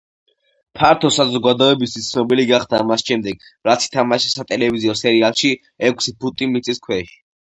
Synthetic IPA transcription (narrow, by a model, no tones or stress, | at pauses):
pʰaɾt̪ʰɔsazɔɡad̪ɔɛbist̪ʰwist̪sʰnɔbiliɡaχd̪amasʃɛmd̪ɛɡ̥ | ɾat̪sʰi̥t̪ʰamaʃisat̪ʼɛlɛviziɔsɛɾialˠʃi | ɛkʰʷsibut̪ʼimit̪sʼiskʰwɛʃi̥